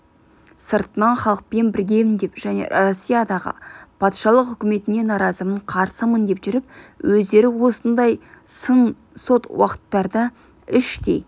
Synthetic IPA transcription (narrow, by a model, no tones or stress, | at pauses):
səɾt̪ənɑnχɑlˠəq̚pe̞nbɪɾɡʲe̞jmɪnd̪e̞pʒ̥æne̞̰rosʲːijad̪ɑʁə̰pʰɑt̪ʃɑlˠəqʏkʲɪme̞t̪ɪne̞nɑɾɑzəməɴqʰɑɾsəmənd̪e̞pʒʏɾɪp̚wʔɵzd̪e̞ɾɪwo̞sənd̪ɑjsən | so̞t̪wɑ̰qə̥t̪ːɑɾd̪ə | ɪʃt̪ḛj